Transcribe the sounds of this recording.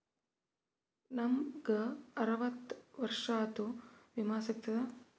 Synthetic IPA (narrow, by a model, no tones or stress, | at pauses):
nɐmɡɐɐɾɐʋɐt̪ːʋɐɾʂaːt̪uʋimaːsɐk̚t̪ɐd̪ɐ